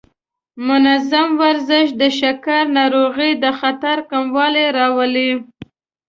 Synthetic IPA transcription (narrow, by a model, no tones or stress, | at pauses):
mʊnazamwaɾzɪʃd̪əʃakaɾnɑɾoɣid̪əxat̪aɾkamwɑleɾɑwəli